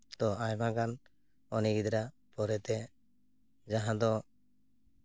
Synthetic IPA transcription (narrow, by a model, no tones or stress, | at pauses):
t̪ɔajmakan | ɔniɡid̪ɾa | pɔɾɛt̪ɛ | d͡ʒaɦãd̪ɔ